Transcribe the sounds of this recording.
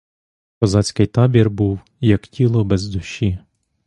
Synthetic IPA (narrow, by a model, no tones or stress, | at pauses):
kɔzɑt͡sʲkɪjt̪ɑbʲirbuw | jɐktʲilˠɔbɛzd̪ʊʃːi